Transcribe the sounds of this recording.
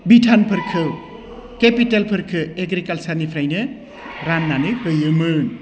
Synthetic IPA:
biʈʰanpʰɯɾkʰɯ | kepitalpʰɯɾkʰɯeɡɾikalsarnipʰɾajnɯ | ɾanːanɯkɯjɯmɯn

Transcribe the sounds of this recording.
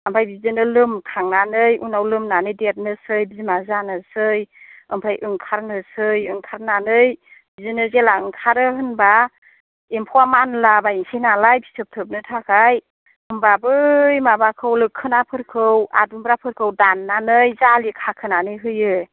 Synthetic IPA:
əmpʰajbizɯnɯlɯmkʰaŋnanɯjunawlɯmnanɯjdet̚nɯsɯjbizimazanɯsɯjɯmpʰajʔɯŋkʰaɾnɯsɯjɯŋkʰaɾnanɯj | bizɯnɯzelaɯŋkʰaɾɯɦɯnba | empʰɔamanlabaiŋsejnalajbʰisɯp̚tʰɯp̚nɯtʰakʰaj | ɯmbabɯjmabakʰɯwlɯkʰːɯnapʰɯɾkʰɯwa̰dumbɾapʰɯɾkʰɯwdanːanɯjzalikʰakʰɯnanɯjɦɯjɯ

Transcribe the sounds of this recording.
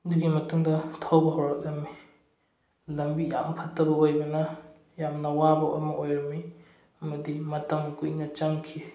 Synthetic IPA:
duɡimɐtuŋdɐtʰawbɐɦɔɾatɐmi | lɐmbija̰mpʰatːɐbɐojbɐnɐ | jamnɐwabɐo̰mɐʔojɾɐmi | mɐdimɐtɐmkujnɐt͡ʃaŋkʰi

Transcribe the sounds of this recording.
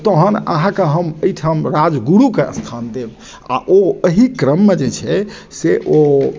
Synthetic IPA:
t̪əɦənə̰ɦãkeɦəməjʈʰamɾad͡ʒɡuɾukeə̰st̪ʰand̪eb | a̰ʔoəɦikɾəmːed͡ʒet͡ʃʰɛ | seʔo

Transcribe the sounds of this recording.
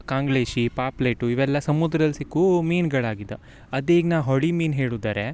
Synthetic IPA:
kaːŋɡɭeːʃipaːplejʈuiʋɛlːɐsɐmud̪ɾɐɐlsikːumiːnɡɐɭaːɡid̪ːe | ɐd̪eːɡnaːwɦoɽimiːnɦeːɭud̪aːɾe

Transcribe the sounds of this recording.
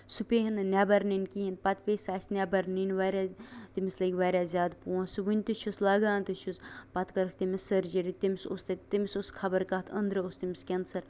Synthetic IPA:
supʲeɦinnʲabɐɾninkiɦinpɐt̪pʲeːsaːsʲnʲabɐɾninʋaːɾʲat̪imislɐɡʲʋaːɾʲaːzʲjaːd̪puːsɨʋɨnʲt̪ɨʃʰuslaːɡaːnt̪ɨʃʰuspɐt̪kɐɾkʰt̪imisɐɾd͡ʒɐɾit̪imisost̪ɐt̪imisoskʰɐbɐɾkaːt̪ʰɐnd̪ɾɐost̪imiskʲend̪sɐɾ

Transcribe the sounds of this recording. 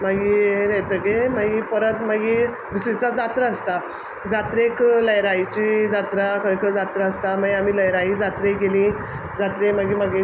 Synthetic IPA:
maɡieɾet̪əɡemaɡiːpəɾət̪maɡi | d̪isit͡sad͡zat̪ɾəːst̪a | d͡zat̪ɾekləjɾait͡ɕid͡zat̪ɾakəɾikʰəd͡zat̪ɾəəst̪amaɡiamiːləjɾaid͡zat̪ɾeɡelĩ | d͡zat̪ɾemaɡiːmaɡe

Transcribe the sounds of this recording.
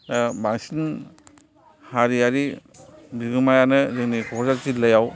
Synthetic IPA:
baŋsin | haɾiaɾi | biɡɯmajanɯzɯŋnikʰɔkʰzaɾzitləjaw

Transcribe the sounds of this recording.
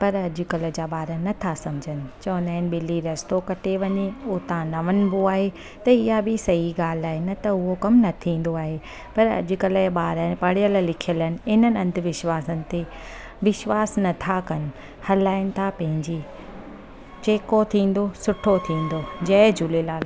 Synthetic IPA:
pɐɾɐd͡ʑʊ̆kɐlə̆d͡ʑaːɓaːɾənɐt̪ʰasɐmd͡ʑʱənɪ̆t͡ɕɐ̃ːʋə̃nd̪aːɪnɪ̆bɪliɾɐst̪okɐʈeʋɐɲeʊt̪ãnɐʋənɪ̆boaːɦe | t̪ɐɪɦabʱɪsɐɦiɡaːl̤aːɦɪnɐt̪ɐʊɦokɐmnɐt̪ʰĩːn̆d̪oaːɦe | pɐɾɐ̰ʄʊ̆kɐləɓaːɾənpɐɽijəllɪkʰijələnɪ̆ɪnənɪɐ̃nd̪ʱʋɪʃʋaːsənɪ̆t̪e | ʋɪʃʋaːsnɐt̪ʰakɐnɪ̆ | hɐlaːɪnɪ̆t̪ʰapɐ̃ɦɪ̃ɲd͡ʑiː | t͡ɕeːkot̪ʰĩːn̆d̪osʊʈʰot̪ʰĩːn̆d̪od͡ʑɐɪd͡ʑulelaːl

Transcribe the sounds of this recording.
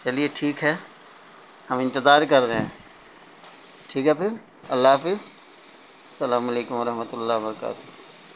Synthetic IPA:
t͡ʃɐlieʈʰiːkɦɛː | hɐmɪ̃nt̪ɪzaːɾkɐɾɾeẽː | ʈʰiːkɦɛpʰɪɾ | ɐlːaaːfɪz | sɐlaːmɐleːkʊ̃mʋɐɾɐɦmət̪ʊlːaːbɐɾɐka̰ːt̪ʊ

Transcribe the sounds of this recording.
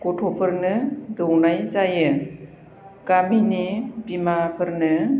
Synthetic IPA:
kɔtʰɔpʰɯɾnɯdɯwnajzajɯ | ɡaminibimapʰɯɾnɯ

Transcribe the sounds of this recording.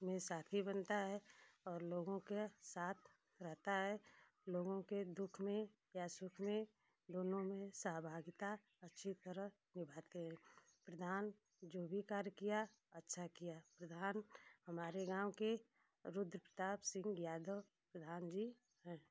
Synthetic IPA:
mẽsaːt̪ʰibənt̪aɦɛɔːɾloːɡõkesaːt̪ʰ | ɾɛɦt̪aɦɛ | loːɡõked̪ʊkʰmẽ | jasʊkʰmẽ | d̪oːnõmẽsəɦbʱaːɡɪt̪a | ətːʃʰit̪əɾə | nɪbʱaːt̪eɦɛ̃ːpɾəd̪ʱaːn | d͡ʒoːbʱikaːɾjkija | ətːʃʰakijapɾəd̪ʱaːnhəmaːɾeɡãːwke | ɾʊd̪ɾəpɾət̪aːbsɪ̃ŋɡjaːd̪əw | pɾəd̪ʱaːnd͡ʒiː | ɦɛ̃ː

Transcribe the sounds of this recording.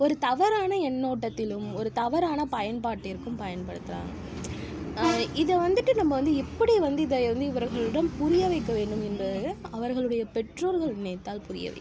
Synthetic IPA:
ɔɾɯt̪ɐʋɐɾaːnɐɛnːoːʈːɐt̪ːɪlɯmɔɾɯt̪ɐʋɐɾaːnɐpɐjɐnpaːʈːɪɾɯkːɯmpɐjɐnpɐɽɯt̪ːɯla̰ːŋ | ɪðɐʋɐnd̪ɯʈːɯnɐmːɐʋɐnd̪ɯɛpːɐɽiʋɐnd̪ɯɪðɐʋɐnd̪ɯɪʋɐɾɣɐɭɯɽɐnpʊɾɪjɐʋɐɪkːɐʋeːɳɖɯmɛndrɐðɐʋɐɾɣɐɭɯɽɐjɐpɛʈroːlɣɐɭneːt̪ːaːlpʊɾɪjɐ̰ʋɐ̰ɪk

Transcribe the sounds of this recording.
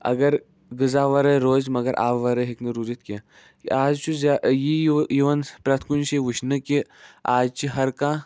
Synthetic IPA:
ɐ̰ɡɐɾ | ɡɨzaːʋɐɾɐjɾoːzmɐɡɐɾʔa̰ːʋʋɐɾɐɦiknɨɾuɾit̪kʲe | kḭaːzt͡ʃʰuzajijiʋɐnpɾɐt̪ʰkunʃiʋɨʃnɨkiaːzt͡ʃiɦɐɾkãː

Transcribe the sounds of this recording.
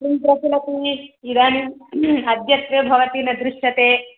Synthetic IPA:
int̪ɾɐt̪ilɐt̪iːid̪aːniɐd̪jɐt̪ɾɐbʱɐʋɐt̪iːnɐd̪ɾuʂjɐt̪eː

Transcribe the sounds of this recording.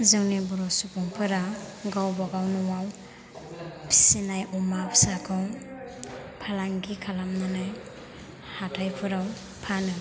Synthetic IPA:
zɯŋnibuɾɔsupʰuŋpʰɯɾaɡawbaɡawnɔwaw | pʰi̥sinajʔumapʰsakʰaw | pʰalaŋɡikʰalamnanaj | hatʰajpʰɯɾaw | pʰanɯ

